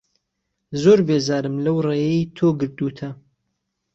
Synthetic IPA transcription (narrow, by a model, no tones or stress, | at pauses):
zoːɾbeːzaːɾɨmlɐwreːjejt̪ʰoːɡɨɾd̪uːt̪ʰɐ